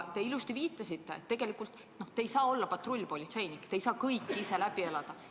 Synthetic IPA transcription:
t̪e̞ilust̪iviːt̪ˑːɑsit̪ːe̞ḛt̪ːe̞ɡ̥e̞likˑult̪et̪no̞ht̪ejsɑːo̞lːɑpɑt̪ro̞lʲːpo̞lʲit̪se̞jnikːˑt̪ejsɑːkɤjkːˑise̞læb̥ie̞lɑd̪̥ɑ

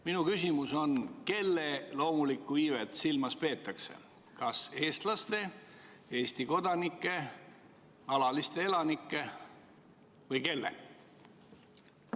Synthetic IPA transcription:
minukysʲimuso̞nke̞lːelo̞ːmulikːˑuiːvet̪silmɑspe̞ːt̪ːˑɑkse̞̰ | kɑse̞ːst̪lɑst̪e̞ | e̞ːsʲt̪iko̞d̪ɑnikːˑe̞ | ɑlɑlist̪e̞e̞lɑnikːˑe̞ | vɤjke̞lːḛ

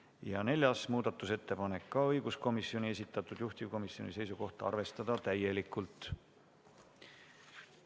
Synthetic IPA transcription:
jɑne̞lʲjɑsmuːd̪̥ɑt̪ːˑuse̞t̪ːe̞pɑne̞kːɑɤjɡusko̞misːio̞nie̞sit̪ːˑɑt̪ːˑud̪̥juht̪ivko̞misio̞nʲise̞jsuko̞ht̪ɑɑ̰rve̞st̪ɑd̪̥ɑt̪æje̞likːˑult̪ːˑ

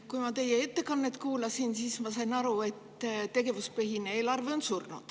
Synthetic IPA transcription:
kujmɑt̪e̞jee̞t̪ːe̞kɑnːe̞t̪ːˑkuːlɑsinsiːsmɑsɑjnɑɾue̞t̪ːˑt̪e̞ɡe̞vuspeɦinee̞ːlɑrveonsurnṵd̪̥

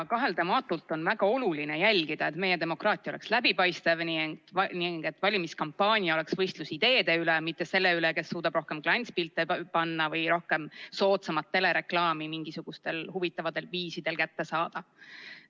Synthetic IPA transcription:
kɑɦe̞lt̪emɑːt̪ːˑult̪ːˑo̞nvæɡ̥ɑo̞luline̞jælʲɡid̪̥ɑe̞t̪me̞je̞t̪e̞mo̞krɑːt̪ʲːˑiole̞kslæb̥ipɑjst̪evniŋt̪niŋɡ̥e̞t̪ːˑvɑlʲimiskɑmpːɑːnʲijɑo̞le̞ksv̥ɤjst̪lusid̪̥e̞ːd̪̥e̞ylemit̪ːese̞lːe̞yleke̞sːuːd̪ɑb̥ro̞hke̞mklɑnʲt̪spilt̪ːˑepɑnːɑvɤjɾo̞hke̞mso̞ːt̪sɑmɑt̪ːe̞le̞ɾe̞klɑːmimiŋɡ̥isuɡ̥ust̪e̞lhuvit̪ːˑɑvɑd̪e̞lviːsid̪̥e̞lkæt̪ːe̞sɑːd̪̥ɑ

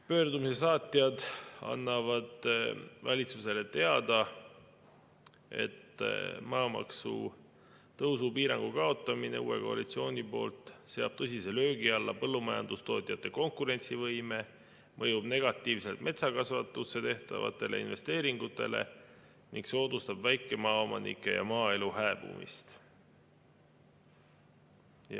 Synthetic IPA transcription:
pø̞ːrd̪umise̞sɑːt̪ʲːˑiɑd̪ɑ̰nːɑvɑd̪̥vɑlʲit̪suse̞le̞t̪e̞ɑd̪ɑ | e̞̰t̪mɑːmɑ̰ksṵ | t̪ɤwsupiːɾɑŋɡ̥ukɑo̞t̪ːˑɑmineuːe̞̰ko̞ɑ̰lit̪sio̞ːnʲipo̞ːlt̪ˑse̞ɑb̥t̪ɤsʲise̞lø̞ːɡ̥iɑlːɑpɤlːumɑjɑ̰nd̪̥ust̪o̞ːt̪ʲˑijɑt̪ːˑe̞ko̞ŋkuɾe̞nt̪sivɤjme̞ | mʔɤjub̥ne̞ɡ̥ɑt̪ːˑiːvse̞lt̪mʔe̞t̪sɑkɑsvɑt̪ːˑusːe̞t̪e̞ht̪ɑ̰vɑ̰t̪ˑːe̞le̞ḭnve̞st̪e̞ːɾiŋɡ̥ut̪ːˑe̞̰le̞̰ | niŋɡkso̞ːd̪ust̪ɑb̥væjkːˑe̞mɑːo̞mɑnḭkːˑe̞̰jɑ̰mɑːe̞luhæeb̥ṵmḭst̪

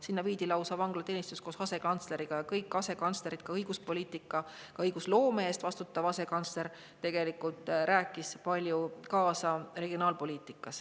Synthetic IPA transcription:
sinːɑviːd̪̥ilɑwsɑvɑŋɡ̥lɑt̪eːnʲist̪usko̞ːsɑse̞kɑnt̪sle̞ɾiɡ̥ɑjɑkɤjkːɑse̞kɑnt̪sle̞ɾid̪̚kɑɤjɡ̥uspolʲiːt̪ːˑikːˑɑ | kɑɤjɡ̥uslo̞ːmeeːst̪vɑst̪ut̪ːˑɑvɑse̞kɑnt̪sle̞ɾ | t̪e̞ɡ̥e̞likːult̪ˑɾʔæːkːˑispɑlʲjukɑːsɑre̞ɡ̥ionɑːlpo̞lʲiːt̪ˑikːˑɑs

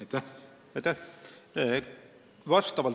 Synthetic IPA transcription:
t̪æ | ɑjt̪ːæh | vɑst̪ɑvɑl

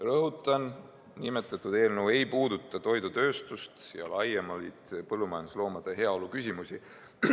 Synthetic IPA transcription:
rɤɦut̪ˑːɑn | nime̞t̪ːˑɑt̪ˑːud̪e̞ːlnəwe̞jpuːd̪̥ut̪ːˑɑt̪o̞jd̪ut̪ø̞ːst̪ust̪jɑ̰lɑjemɑlit̪pɤlːumɑjɑnd̪uslo̞ːmɑd̪̥e̞ɦe̞ɑo̞lukys̬ʲimusʲi

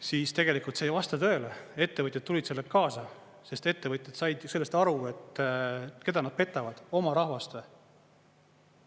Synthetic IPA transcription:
siːst̪e̞ɡ̥e̞likult̪seːjvɑst̪ɑt̪ø̞ːlee̞t̪ːevɤt̪ʲjet̪ːulʲid̪̥se̞lːekɑːsɑ | se̞st̪e̞t̪ːe̞vɤt̪ʲːˑed̪sɑjd̪̥jse̞lːest̪ɑɾue̞t̪ː | ke̞d̪ɑnɑd̪̥̚pe̞t̪ːˑɑvɑd̪̥o̞mɑɾɑhvɑst̪e

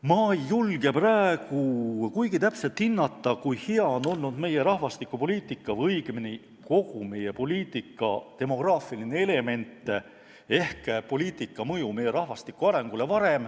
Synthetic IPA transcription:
mɑjːulɡ̥e̞præeɡ̥ukujɡit̪æpse̞lt̪hinːɑt̪ːˑɑkujhiɑono̞lnud̪me̞je̞ɾɑhvɑst̪ikːupo̞liːt̪ˑikːˑɑvɤjɡ̥mini | ko̞ɡ̥ume̞je̞po̞lʲiːt̪ˑːikːˑɑ̰t̪e̞mo̞ɡ̥rɑːfilinee̞le̞me̞nt̪ːˑe | e̞hkpo̞lʲiːt̪ˑikːˑɑmɤjume̞jːe̞ɾɑhvɑst̪ikːˑuɑɾe̞ŋɡ̥ule̞vɑɾe̞m

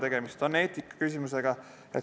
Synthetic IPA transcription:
e̞ɡ̥emist̪o̞nːe̞ːt̪ikːˑɑ̥kysʲimuse̞ɡ̥ɑ | e̞̰t̪

